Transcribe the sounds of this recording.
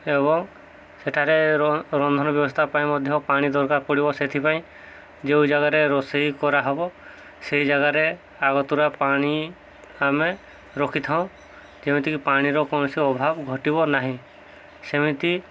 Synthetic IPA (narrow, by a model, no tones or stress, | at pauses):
ebɔŋ | seʈʰaɾeɾɔnd̪ʱɔnɔbjɔbɔst̪ʰapaĩmɔd̪ʱjɔpaɽ̃id̪ɔɾkaɾpɔɽibɔset̪ʰipaĩ | d͡ʒeũd͡ʒaɡaɾeɾɔseɦikɔɾaɦɔbɔ | seɦid͡ʒaɡaɾe | aɡɔt̪uɾapaɽ̃i | ame | ɾɔkʰit̪ʰaw̃ | d͡ʒem̤ĩt̪ikipaɽ̃iɾɔkɔnɔsiɔbʱabɡʱɔʈibɔnaɦĩ | semit̪i